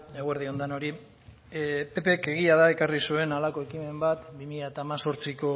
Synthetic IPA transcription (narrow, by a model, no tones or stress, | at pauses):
eɣwe̞ɾðio̞nd̪ano̞ɾi | pe̞peke̞ɣ̞iað̞ae̞karisue̞nalako̞e̞kime̞mbat̪bimiʎaet̪aːmaso̞ɾt͡siko̞